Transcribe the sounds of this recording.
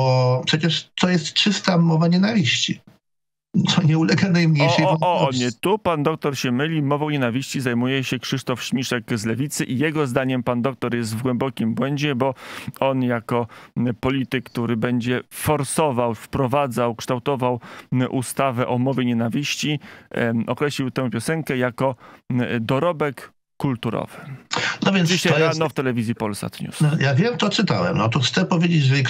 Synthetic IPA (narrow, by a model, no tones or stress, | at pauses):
ɔpʂɛt͡ɕɛʂt̪ɔjɛst̪t͡ʂɘst̪amɔvaɲɛnavʲiɕt͡ɕi | t̪sɔɲɛulɛɡanajmɲejʂɛjɔɔɔɲɛt̪upand̪ɔk̚t̪ɔɾɕɛmɘlʲimɔvɔ̃w̃ɲenavʲiɕt͡ɕizajmujɛɕɛkʂɘʂt̪ɔfɕmʲiʂɛkzlɛvʲit̪sɘʔijɛɡɔzd̪aɲɛmpand̪ɔk̚t̪ɔɾjɛst̪vɡwɛmbɔkʲimbwɛɲd͡ʑɛbɔɔnjakɔpɔlʲit̪ɘkkːt̪uɾɘbɛɲd͡ʑɛfɔɾsɔvawfpɾɔvad̪zawkʂt̪awt̪ɔvawʔust̪avɛʔɔmɔvʲjeɲɛnavʲiɕt͡ɕi | ɔkɾɛɕlʲiwt̪ɛ̃w̃pʲjɔsɛŋkɛjakɔ | d̪ɔɾɔbɛkː | ult̪uɾɔ̰vɘnɔvʲjɛnd͡ʑiɕaɾanɔft̪ɛlɛvʲizjipɔlsa̰t̪ɲṵsjaɡvʲjɛmt̪ɔt̪sɘt̪awɛ̰mnɔt̪ɔxt̪sɛpɔvʲjed͡ʑed͡ʑʐɛk